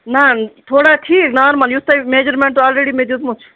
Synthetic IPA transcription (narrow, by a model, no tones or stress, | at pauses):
nat̪ʰoːɽaʈʰiːknaɾmɐnjust̪ajmed͡ʒəɾmẽɳʈt̪oɔːlɾeːɽimed̪jut̪mut͡ʃʰ